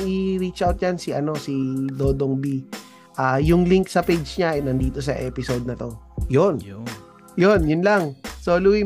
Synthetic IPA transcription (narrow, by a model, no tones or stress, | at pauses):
ŋʔɪɾit͡ʃʔawt̪̚jansɪʔɐno̞sid̪oːd̪oŋbi | ʔajʊŋliŋksɐpejd͡ʒɲanɐnd̪iːt̪o̞s̬ɐʔɛːpɪso̞d̪̚nɐt̪o̞jon | jonjʊnlaŋsoːlʊwi